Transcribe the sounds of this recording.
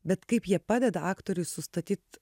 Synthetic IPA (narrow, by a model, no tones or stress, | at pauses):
bʲɛt̪kɐɪpjiɛpɑːd̪ʲɛd̪ɐɑːkt̪oːɾʲʊɪsʊst̪ɐt̪ʲiːt̪